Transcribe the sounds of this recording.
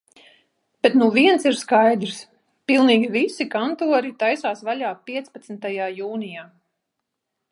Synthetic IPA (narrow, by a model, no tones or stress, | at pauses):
b̥et̪nuviɛnsiɾskajd̪ɾs | pilˠniːɡʲivisikant̪uɔɾit̪ajsaːsvalʲaːpiɛt̪spat̪snt̪ajaːjuːnijaː